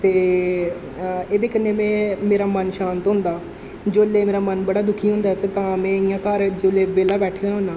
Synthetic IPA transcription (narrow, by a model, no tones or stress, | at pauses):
t̪eː | eːd̪eːkənːeːmɛ̃ːmeːɾaːmənʃaːnt̪ɦʊ̃nd̪aː | d͡ʒoːleːmeːɾaːmənbəɽaːd̪ʊkʰiːɦʊ̃nd̪aːtt̪ãːmɛ̃ːɪjãːkaɾd͡ʒoːleːbeːlaːbɛːʈʰed̪eːnãɦʊnaː